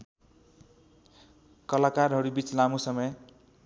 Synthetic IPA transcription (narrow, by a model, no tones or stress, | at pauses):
kʌlakarɦʌɾubit͡slamusʌmʌj